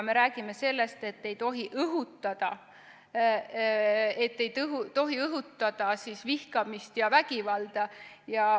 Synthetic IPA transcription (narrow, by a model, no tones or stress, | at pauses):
me̞ɾæːɡ̥ime̞se̞lːe̞st̪e̞t̪ːe̞jt̪o̞ɦiʔɤɦut̪ːˑɑd̪̥ɑ | e̞t̪ːe̞jt̪ɤɦut̪o̞ɦiɤɦut̪ːˑɑd̪̥ɑsisvihkɑmist̪jɑvæɡivɑld̪̥ɑjɑ